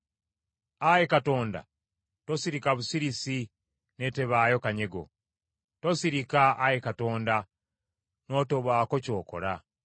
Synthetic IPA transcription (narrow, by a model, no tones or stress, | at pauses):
ajekato̞ːnda̰ | tosiɾikaβusiɾisi | ne̞te̞βaːjo̞kaɲe̞ɡo̞̰ | to̞siɾikaːjekato̞ːnda | no̞to̞βwaːko̞co̞ːko̞̰ɾa